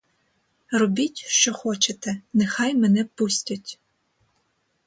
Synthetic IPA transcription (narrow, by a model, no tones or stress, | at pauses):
rɔbʲitʲʃt͡ʃɔxɔt͡ʃet̪ɛnexɑjmɛnɛpusʲtʲɐtʲ